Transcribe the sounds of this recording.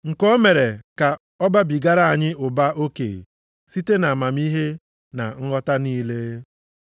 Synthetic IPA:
ŋ̩˨kɔ˦me˨ɾe˨ka˨ | ɔ˦ba˦bi˨ɡa˦ɾa˦a˨ɲɪ˦ʔʊ˨ba˦o˦kḛ˨ | si˦te˦na˨ma˨m̩˦i˦ɦe˦ | na̰˨ŋ̩˦ɦɔ˦ta˦niː˦le˦

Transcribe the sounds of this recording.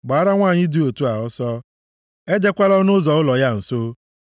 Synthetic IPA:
ɡ͡ba˨˦ɾa˦ŋʷaː˦˨ɲɪ˦du˨o˨tu˦a˨ɔ˦sɔ˦ | e˦de˦kʷa˦lɔ˦nʊ˦zɔ˨ʊ˦lɔ˨ja˦n̩˨so˦

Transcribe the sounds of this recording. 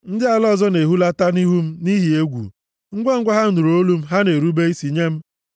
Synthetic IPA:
n̩˦dɪ˦a˨lɔ˦˨zɔ˦ne˨ɦu˦la˦ta˦ni˦ɦu˦m̩˦ni˦ɦi˨e˦ɡʷṵ˨ | ŋ̩˦ɡʷe˦ŋ̩˦ɡʷa˦ɦa˦n̩˦du˨ɾo˦lu˦m̩˦ɦa˦ne˨ɾu˦be˦i˦si˨ɲe˦m̩˦

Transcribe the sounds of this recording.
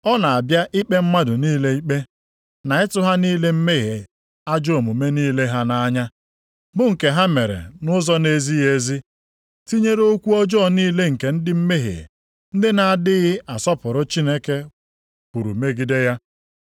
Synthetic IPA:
ɔ˦na˨a˨bja˦ʔi˦k͡pe˦m̩˦ma˦dʊ˨niː˦le˦i˦k͡pe˦ | na˨ɪ˦tʊ˦ɦa˦niː˦le˦m̩˦me˦ɣe˨ | a˦d͡ʒo˦o˨mʊ˨me˦niː˦le˦ɦa˦na˦ɲa˦ | bʊ˦ŋ̩˨ke˨ɦa˦me˨ɾḛ˨nʊ˦zɔ˦ne˦zi˦je˦zi˦ | ti˦ɲe˦ɾo˦kʷu˦ɔ˦d͡ʒɔː˦˨niː˦le˦ŋ̩˨ke˨n̩˦dɪ˦m̩˦me˦ɦḛ˨ | n̩˦dɪ˦na˨a˨dɪ˦ɣɪ˦ʔa˨sɔ˦pʊ˨ɾʊ˦t͡ʃi˦ne˦ke˦ | ku˨ɾṵ˨me˦ɡi˦de˦ja˦

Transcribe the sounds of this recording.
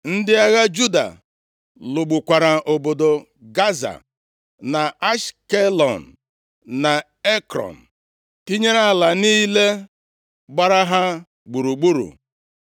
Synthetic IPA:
n̩˦dɪ˦a˦ɣa˦d͡ʒu˦da̰˨ | lʊ˨ɡ͡bu˨kʷa˨ɾa˨ʔo˨bo˨do˨ | ɡa˦za̰˨ | na˨a˦ʃke˦lɔ̰˨n̩˨ | na˨ | e˦kɾɔ̰˨n̩˨ | ti˦ɲe˦ɾa˦˨la˨niː˦le˦ | ɡ͡ba˦ɾa˦ɦa˦ | ɡ͡bu˨ɾu˨ɡ͡bu˦ɾṵ˨

